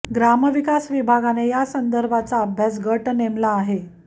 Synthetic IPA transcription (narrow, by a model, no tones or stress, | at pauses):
ɡɾaməʋikasʋibʱaɡanejasənd̪əɾbʱat͡saəbʱjas̬ɡəʈnemlaːɦe